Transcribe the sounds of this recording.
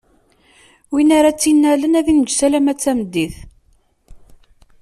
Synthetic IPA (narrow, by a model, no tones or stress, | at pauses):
winaɾat͡sːinːælənæðiməd͡ʒsælæmæt͡sːæməd̪ːiθ